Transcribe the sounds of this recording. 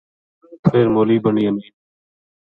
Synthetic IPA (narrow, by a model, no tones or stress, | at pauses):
pʰeːɾmoːliːbəɳiːəniː